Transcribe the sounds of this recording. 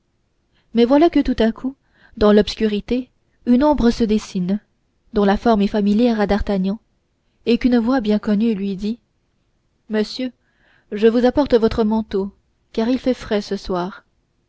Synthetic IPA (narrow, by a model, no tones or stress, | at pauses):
mɛvwalakət̪ut̪akʰu | d̪ɑ̃lɔpskʲyʁit̪e | ynɔ̃bʁəsəd̪esin | d̪ɔ̃lafɔʁmɛfamiljɛʁad̪aʁt̪aɲɑ̃ | ekynəvwabjɛ̃kɔnylɥid̪i | məsjø | ʒəvuzapɔʁt̪əvɔt̪χəmɑ̃t̪o | kaʁilfɛfχɛsəswaːʁ